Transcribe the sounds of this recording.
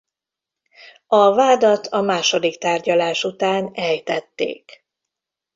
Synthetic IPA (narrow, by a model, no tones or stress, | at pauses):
ɒvaːd̪ɒt̪ʰɒmaːʃo̞d̪ikt̪aːrɟɒlaːʃut̪aːnɛjt̪ɛt̪ːḛːk